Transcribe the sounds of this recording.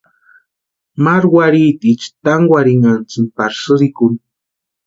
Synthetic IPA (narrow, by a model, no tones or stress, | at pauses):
maɾwaɾit̪it͡ʃt̪aŋwaɾiŋant͡sɨmpaɾsɨɾɪkʊn